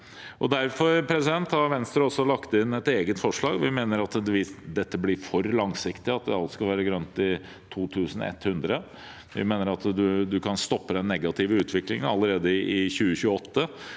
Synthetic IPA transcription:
ʔɔd̪æɾfɔɾpʰɾɛsɪd̪ɛnt̪ɑʋɛnst̪ɾəɔsːɔlɑkt̪əɪnːɛt̪eːɡət̪fɔʂɭɑːɡʋɪmeːnəɾɑt̪ʋɪd̪ɛt̪ːəblɪɾfɔɾlɑŋsɪkt̪ɪɑt̪̚d̪ɛɑlt̪skɑlʋæːɾəɡɾœnt̪ɪ | t̪ʰuːt̪ʰʉːsən̩ɛ̰t̪ːhʉnd̪ɾə | ʋɪ̰meːnəɾɑt̪d̪ʉd̪ʉkʰɑnst̪ɔpːəd̪ɛnːɛɡɑt̪ʰɪʋəʉːt̪ʰʋɪklɪŋənɑlːəɾeːd̪əɪʔɪçʉːəçʉːəɔt̪ːə

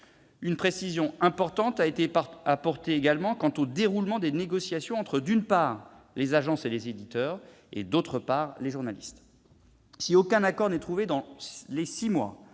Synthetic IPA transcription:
ynpχesizjɔ̃ɛ̃pɔʁt̪ɑ̃t̪aet̪eapɔʁt̪eːɡalmɑ̃kɑ̃t̪od̪eʁulmɑ̃d̪eneɡɔsjasjɔ̃ɑ̃t̪χəd̪ynpaːʁ | lezaʒɑ̃selezed̪it̪œːʁ | ḛd̪ot̪χəpaʁleʒuʁnalist̪ | siokɛ̃nakɔʁnɛt̪χuved̪ɑ̃lesimwa̰

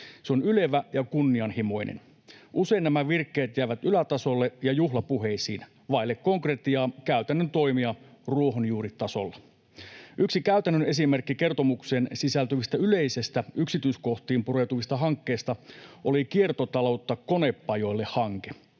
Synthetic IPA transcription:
seonyle̞ʋæjɑkunːiɑnhimo̞jnḛn | ʔuse̞inːæmæʋirkːeːt̪jæiʋæt̪ylæt̪ɑso̞lːejɑjuhlɑpuɦe̞isḭːn | ʋɑilːekkːo̞ŋkret̪iɑːkæyt̪ænːønt̪o̞imiɑruo̞ɦonjuːɾitt̪ɑso̞̰lːɑ | ʔyksikæyt̪ænːøne̞sime̞rkːike̞rt̪o̞mukse̞ːnsisælt̪yʋist̪æyle̞ise̞st̪æyksit̪yisko̞ht̪iːmpurewt̪uʋist̪ɑɦɑŋkːe̞ːst̪ɑʔolikie̞rt̪ot̪ɑlo̞ut̪ːɑko̞ne̞pːɑjo̞ilːehɑŋke

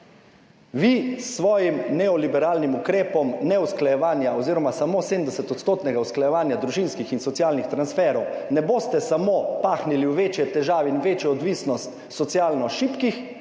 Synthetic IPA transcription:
ʋisːʋɔːjimnɛɔlibɛɾaːlnimukɾeːpɔmnɛusklajɛʋaːnjaɔziːɾɔmasamoːseːm̩d̪ɛsɛt̪ɔt̪st̪oːt̪nɛɡausklajɛʋaːnjad̪ɾuʒinskixinsɔt̪sijaːlnixt̪ɾansfɛːɾɔwnɛboːst̪ɛsamopaːxniliwʋeːt͡ʃjɛt̪ɛʒaːʋɛinʋeːt͡ʃjɔɔd̪ʋiːsnɔst̪ | sɔt̪sjaːlnɔʃiːpkix

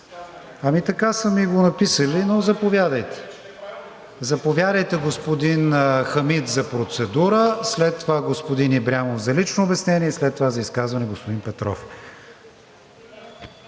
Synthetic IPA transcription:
ɐmit̪ɐkasəmiɡonɐpisəlinozɐpovʲjad̪əjt̪ɛ̥ | zɐpovʲjad̪əjt̪ɛɡospod̪inxɐmit̪zɐpɾot̪sɛd̪uɾəslɛt̪ːovaɡospod̪inibɾʲjamovzɐlit͡ʃnoːbɛsnɛniɛslɛt̪ːovazɐiskazvɐnɛɡospod̪inpɛt̪ɾɔ̰f

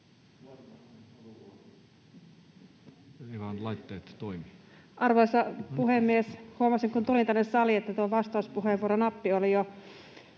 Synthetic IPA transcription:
ekɑnlɑit̪ːeːt̪t̪oimi | ʔɑrʋojsɑpuhemːieshuomɑsiŋkunt̪ulint̪ænːessɑliet̪ːæt̪uoʋɑst̪ɑˑuspuɦeʋuoɾonɑpːiolijo

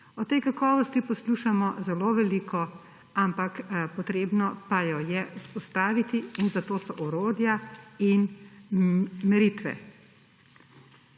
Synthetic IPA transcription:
ɔt̪ɛjkakɔːʋɔst̪ipɔsluʃamɔzɛloʋɛliːkʰɔ | ampakpɔt̪ɾeːbnɔpajɔjɛuspɔst̪aːʋit̪iːnzat̪oːsɔʔɔɾoːd̪jain | mɛɾit̪ʋɛ̰

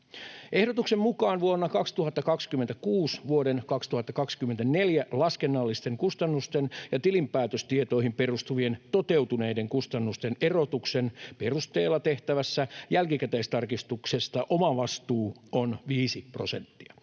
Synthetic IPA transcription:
ʔe̞hɾot̪uksemmukɑːnʋuonːɑkɑkst̪uhɦɑt̪ːɑkɑkskymːent̪ækuːsʋuodenkɑkst̪uhɑt̪ːɑkɑkskymːent̪æne̞ljælɑskenːɑlːist̪eŋkust̪ɑnːust̪enjɑt̪ilimpæːt̪øst̪iet̪o̞ihimpe̞rust̪uʋient̪ot̪e̞wt̪une̞ideŋkust̪ɑnːust̪enerot̪uksenperust̪e̞ːlːɑt̪e̞ht̪æʋæsːæjælkikæt̪eist̪ɑrkist̪uksest̪ɑʔomɑʋɑst̪uːonʋiːsipro̞se̞̰nt̪ːiɑ

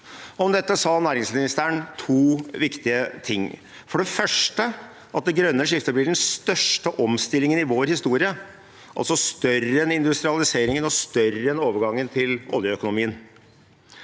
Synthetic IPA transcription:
ɔmd̪ɛt̪ːəsɑːnæːɾɪŋsmɪnɪst̪əəɳt̪ʰuːʋɪkt̪ɪət̪ʰɪŋː | fɔɖɛfœʂʈə | ʔɑt̪̚d̪ɛɡɾœnːəʂɪft̪əblɪɖɛnst̪œʂʈəʔɔmst̪ɪlːɪŋənɪʋoːɾhɪst̪uːɾɪə | ʔɑ̰lsɔst̪œrəɛnɪnd̪ʉst̪ɾɪɑlɪseːɾɪŋənɔst̪œɾːəɛnoːʋəɾɡɑŋːənt̪ʰɪlɔ̰ljəœkʊnʊmiːən

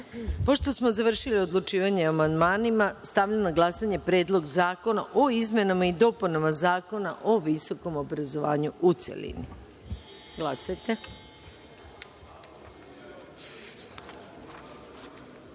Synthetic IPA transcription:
po̞ʃt̪o̞smo̞zaʋr̩ʃilio̞d̪lˠut͡ʃiːʋaɲeamand̪maːnimast̪aʋʎanaɡlˠasaɲe̞pɾe̞ːd̪lˠo̞ɡzaːko̞na̰ʔo̞izme̞namaid̪o̞punamazaːko̞naʔo̞ʋiso̞ko̞mo̞bɾazo̞ʋaːɲuut̪sḛlḭnḭ | ɡlˠasajt̪e̞

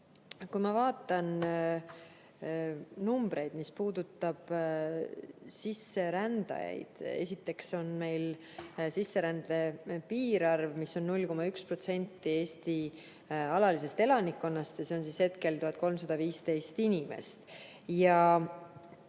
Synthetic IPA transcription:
kujmɑvɑːt̪ːˑɑn | numb̥ɾe̞jd̪̥mispuːd̪̥ut̪ːˑɑb̥ | sisːe̞ɾænd̪ɑ̰jɑ̰jd̪̥e̞̰sʲit̪ːˑe̞kso̞nme̞jl | sisːe̞ɾænd̪e̞piːɾɑrvmisːo̞nːulʲko̞mɑykspro̞t̪se̞nʲt̪ːˑie̞ːst̪i | ɑlɑlis̬e̞st̪e̞lɑnikːo̞nːɑst̪jɑse̞onsishe̞t̪ke̞lt̪uhɑt̪̚ːˑko̞lmsɑd̪̥ɑviːst̪e̞jst̪inʲime̞̰st̪ | jɑ

